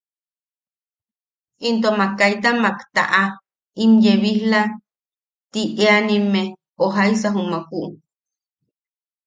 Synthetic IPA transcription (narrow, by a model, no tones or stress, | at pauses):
int̪̬omakajt̪amakt̪a̰ʔa | imjeβihla | t̪iʔeanime | oɦajsaɦumakuʔ